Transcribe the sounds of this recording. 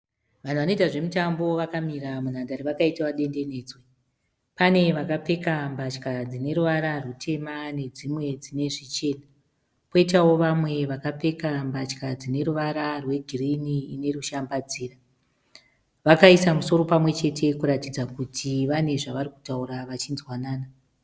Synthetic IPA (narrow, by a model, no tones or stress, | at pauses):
ʋan̤uʋano̞itaʐe̞mutambo̞ʋakamiɾamun̤andaɾiʋakaitawaɗe̞nde̞ne̞ːd͡zwe | pane̞ʋakap͡fe̞kambat͡ʃkad͡zine̞ɾuʋaɾarutʰe̞mane̞d͡zimwe̞d͡zine̞ʐit͡ʃe̞ːna | poit̬awo̞ʋamwe̞ʋakap͡fe̞kambat͡ʃkad͡zine̞ɾuʋaɾarwe̞ɡʱiriniːne̞ruʃambad͡ziːra | ʋakaisamuso̞ɾo̞pamwe̞t͡ʃe̞tʰe̞kuɾatid͡zakutʰiʋane̞ʐaʋariku̥tauraʋat͡ʃinzwanaːna